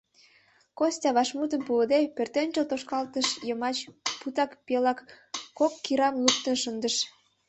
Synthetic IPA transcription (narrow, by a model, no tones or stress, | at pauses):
kosʲtʲɑβɑʃmut̪ə̆mpuəd̪epørt̪enʲt͡ɕəlt̪oʃkɑlt̪əʃjəmɑt͡ɕput̪ɑkpelɑkː | okːiɾɑmluk̚t̪ənʃənd̪əʃ